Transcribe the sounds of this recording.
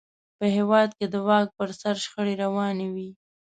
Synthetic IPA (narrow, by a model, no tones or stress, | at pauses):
pəɦewɑd̪̚ked̪əwɑk̚pəɾsaɾʃxəɽeɾawɑnewi